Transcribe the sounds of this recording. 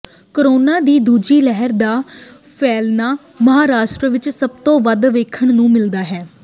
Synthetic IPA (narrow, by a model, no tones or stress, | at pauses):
kəɾoːnãːd̪iːd̪uːd͡ʒiːlɛɦɛɾd̪aːpʰɛːlnaː | məɦaːɾaːʃʈɾəʋɪt͡ʃsəb̚t̪õːʋəd̪ʋeːkʰəɳnũːmɪld̪aːɦɛː